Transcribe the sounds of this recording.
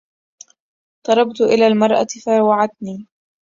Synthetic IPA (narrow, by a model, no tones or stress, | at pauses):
t̪ˤɑɾˤɑbt̪ʊʔɪlaːlmɑɾˤʔa̰faɾˤwaʕad̪̚niː